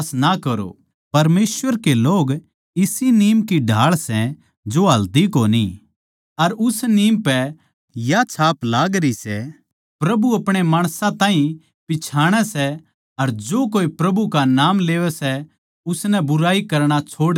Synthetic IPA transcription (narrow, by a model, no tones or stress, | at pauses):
snakɐɾo̰ | pɐɾmeːsʋəɾkeloːɡ | ɪsiniːmkiɖʱaːɭsɛ̃ | d͡ʒoɦɐld̪ikonḭ | ɐɾʊsniːmpɛ | jat͡ʃʰaːplaːɡɾisɛ | pɾɐbuɐpɽ̃emaːɽ̃sãt̪ãːɦĩ | pɪt͡ʃʰaːɽ̃ɛsɛ | ɐɾd͡ʒoːk̬oːipɾɐbukanaːmleːʋɛsɛ | ʊsnɛbʊɾaːikɐɾɽ̃at͡ʃʰoːɽ